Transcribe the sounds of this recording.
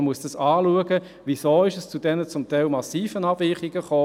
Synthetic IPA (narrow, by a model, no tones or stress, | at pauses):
muəsd̥ɑsɑːluəɡə | ʋisoːɪʃəst͡sud̥ɛnət͡sʊmtɛɪlmɑsiːfənɑbvɪːχiɡ̥əχoː